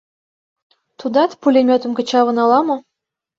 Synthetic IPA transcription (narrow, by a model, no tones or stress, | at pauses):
t̪ud̪ɑt̪pulʲemʲot̪ə̆mkə̆t͡ɕɑβɤ̆nɑlɑmɤ̆